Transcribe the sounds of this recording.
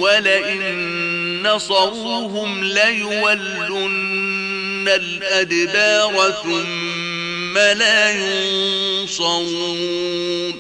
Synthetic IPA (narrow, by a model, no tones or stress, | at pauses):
walaʔɪnnː | ɑsˤɑɾuːɦʊmlajʊwalːʊnː | alʔad̪ɪbaːɾˤɑm | malaːjʊnsˤɑɾuː | n